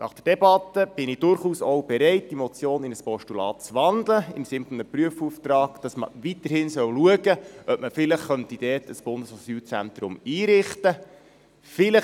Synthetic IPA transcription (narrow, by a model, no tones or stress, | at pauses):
nʔɑ̰χd̥ərd̥ɛbɑt̪əb̥ɪnɪd̥ʊɾχuːsowb̥ɛɾɛɪt̚d̥imɔt͡sjoːnɪnəspɔʃtulɑ̰ːt̚t͡sʋɑnd̪ləɪmsɪnfɔnəpryəfuftrɑːɡ̥d̥ɑsmə̰ʋitəɾhɪnsœwluəɡəʔœp̚məfɪləχːœntid̥ɛːtəsb̥ʊndəsɔsyːlt͡sænt̪ɾʊmiːɾɪχtə | fɪlə